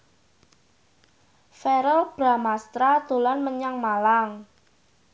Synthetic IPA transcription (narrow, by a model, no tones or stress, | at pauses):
fɛɾəlb̥ɾa̤mast̪ɾad̪̥o̤lanməɲaŋmalaŋ